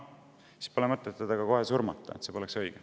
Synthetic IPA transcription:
si̥spolemɤt̪ːˑet̪ːed̪̥ɑɡɑkoɦesurmɑt̪ˑːɑ̰et̪sepo̞leksɤjɡ̥e

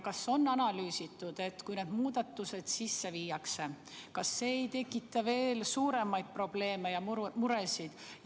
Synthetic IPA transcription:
kɑsːo̞nːɑnɑlyːsit̪ːˑud̪̥e̞t̪kujned̪̥muːd̪̥ɑt̪ːˑuse̞d̪̥sisːe̞viːjɑkse̞ | kɑsːe̞ejt̪e̞kːˑit̪ːˑɑve̞ːlsuːɾe̞mɑjd̪̚pro̞b̥le̞ːme̞jɑmuɾe̞sid̪̥

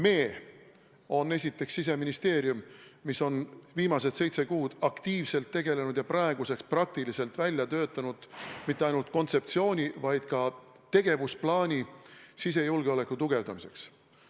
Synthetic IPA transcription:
me̞ː | o̞nːe̞s̬ʲit̪ːˑe̞ksːis̬e̞minist̪e̞ːɾjumːiso̞nviːmɑse̞d̪̥se̞jt̪se̞kuːd̪̥ɑkt̪iːvse̞lt̪ːe̞ɡ̥e̞le̞nud̪̥jɑprɑeɡ̥use̞ksprɑk̚t̪ilise̞lt̪ˑvælʲjɑt̪ø̞ːt̪ːˑɑnud̪̥mit̪ːˑe̞ɑjnult̪̚ˑko̞nt̪se̞pt̪sio̞ːnʲivɑjd̪̥kɑ | t̪e̞ɡ̥e̞vusplɑːnʲisis̬e̞julɡ̥eole̞kːˑut̪uɡ̥e̞vd̪ɑmise̞̰ks

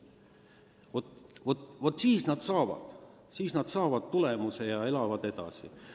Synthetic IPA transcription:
vo̞t̪vot̪vot̪ːˑsiːsnɑd̪̥sɑːvɑ̰d̪̥ | siːsnɑd̪̥sɑːvɑd̪̥t̪ule̞muse̞jɑe̞lɑvɑd̪e̞d̪̥ɑ̰sḭ

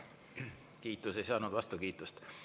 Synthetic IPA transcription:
kiːt̪ːˑuse̞jsɑːnud̪̥vɑst̪ukiːt̪ːˑust̪

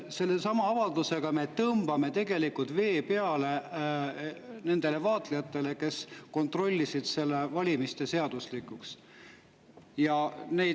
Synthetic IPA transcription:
se̞lːe̞sɑmɑɑvɑld̪use̞ɡ̥ɑme̞t̪ɤmb̥ɑme̞t̪e̞ɡe̞likult̪ve̞ːpe̞ɑle̞ | ne̞nd̪̥e̞le̞vɑːt̪lejɑt̪ːˑe̞le̞ke̞sko̞nt̪ro̞lʲːisid̪̥se̞lːe̞vɑlʲimist̪e̞se̞ɑd̪̥uslikːˑuks | jɑne̞j

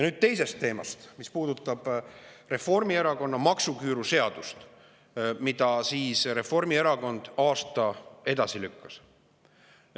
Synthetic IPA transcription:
jɑnyːd̪̥̚t̪e̞jse̞st̪ːe̞ːmɑ̰st̪mispuːd̪̥ut̪ːˑɑb̥re̞fo̞rmie̞ɾɑko̞nːɑmɑksukyːɾuse̞ɑd̪̥ust̪ | mid̪̥ɑsiːsre̞fo̞rmie̞ɾɑko̞nd̪̥ɑːst̪ɑe̞d̪ɑsilykːɑ̥s

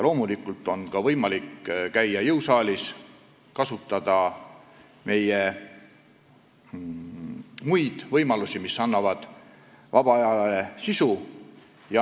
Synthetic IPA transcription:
lo̞ːmulikːˑult̪ːˑo̞nkɑvɤjmɑlikːkæjːɑjɤwsɑːlʲis | kɑsut̪ːˑɑd̪̥ɑ | me̞je | mujd̪̥vɤjmɑlusimisɑnːɑvɑd̪̥ | vɑb̥ɑɑjɑlɑesisu | jɑ

